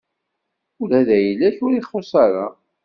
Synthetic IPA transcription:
ʊlæðæjəlːæçʊɾiχːosˤaɾa

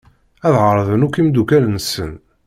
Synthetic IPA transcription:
æðʁəɾˤðˤənukːimd̪ukælnsə̰n

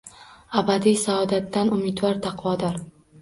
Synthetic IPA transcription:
abad̪ijsaɒd̪at̪ːanʊmɪd̪vɒɾt̪ʰɑqvɒd̪ɒɾ

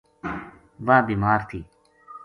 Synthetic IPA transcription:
ʋãːbiːmaːɾt̪ʰiː

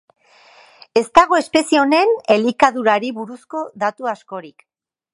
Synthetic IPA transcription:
e̞st̪aɣ̞o̞e̞spe̞sio̞ne̞ne̞likaðuɾaɾiβuɾusko̞ðat̪uasko̞ɾik

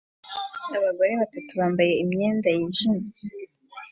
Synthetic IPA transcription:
aβaɡo̞ɾe̞βatatuβaːmbaje̞imɲe̞ːndajiʒiɲi

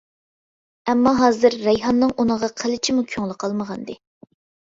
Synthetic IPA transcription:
ɛmːɑɦɑːzɨɾːɛjɦɑnːɨŋʔunəʁɑqʰəlɪt͡ʃʰimukʲʰyŋlˠɨqʰɑlˠməʁɑnd̪ɨ

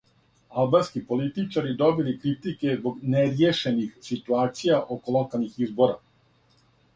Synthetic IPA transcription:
alˠbanskipo̞lit̪it͡ʃaɾid̪o̞bilikɾit̪ike̞zbo̞ɡneɾjeʃe̞nixsit̪uaːt̪sijaʔo̞ko̞lˠokalˠnixizbo̞ɾa̰

